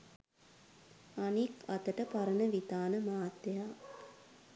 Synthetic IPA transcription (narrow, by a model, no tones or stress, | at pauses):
anika̰t̪əʈəpaɾənəʋit̪aːnəmaːt̪ːejaː